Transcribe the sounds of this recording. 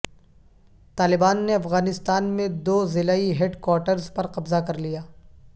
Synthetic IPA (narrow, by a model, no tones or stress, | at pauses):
t̪aːlɪbaːnːeɐfɣaːnɪst̪aːnmẽd̪oːzɪlaːiɦeːɖkwaːɾʈəɾzpɐɾqɐbzakɐɾlijaː